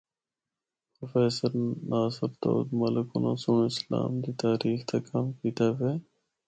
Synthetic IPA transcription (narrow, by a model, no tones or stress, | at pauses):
pɾofeːsəɾnaːsɪɾt̪o̰ːd̪mɐlɪkuna̰ːsunɪsla̰ːmd̪iːt̪aːɾiːxt̪ʰɐkɐmkiːt̪aːfeː